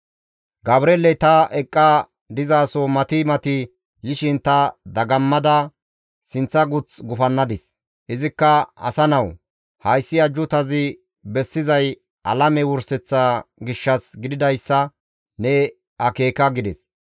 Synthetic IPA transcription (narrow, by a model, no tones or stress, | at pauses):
ɡɐbɾeːlɛt̪ɐʔɛkʼːa | d̪ɪzaːsɔmɐt̪ɪmɐt̪ɪ | jɪʃɪnt̪ɐd̪ɐɡɐmːɐd̪ɐ | sɪnt͡sːɐɡʊt͡sɡʊfɐnːɐd̪ɪs | ʔɪzɪkːɐɐ̰sɐnɐw | hɐjsːɪɐd͡ʒːʊt̪ɐzɪ | bɛsːɪzɐj | ʔɐlɐmɛwʊɾsɛt͡sːaɡɪʃːɐsɡɪd̪ɪd̪ɐjsːɐ | nɛ | ɐke̞ːkɐɡɪd̪ɛs